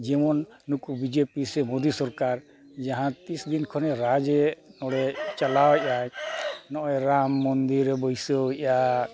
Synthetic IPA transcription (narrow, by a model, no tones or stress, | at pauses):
d͡ʒɛmɔnː | ukubid͡ʒepisɛmod̪isɔɾkaɾ | d͡ʒaɦãt̪isd̪inkʰɔnɛɾad͡ʒenɔɽɛt͡ʃalawɛʔajnɔʔɾamːɔnd̪iɾɛbɔjsɔɛʔa